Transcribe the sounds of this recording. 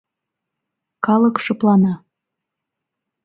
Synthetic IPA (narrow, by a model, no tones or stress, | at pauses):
kɑləkʃɤ̆plɑnɑ